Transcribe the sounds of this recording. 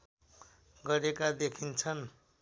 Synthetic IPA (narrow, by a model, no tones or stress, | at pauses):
ɡʌɾekad̪ekʰint͡sʰʌn